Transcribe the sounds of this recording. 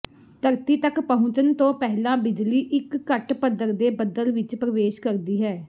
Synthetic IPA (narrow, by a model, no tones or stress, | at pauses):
t̪əɾt̪iːt̪əkpəɦʊ̃t͡ʃənt̪õːpɛɦlãːbɪd͡ʒliːʔɪkːəʈpəd̪əɾd̪eːbəd̪əlʋɪt͡ʃpɾəʋeːʃkəɾd̪iːɦɛː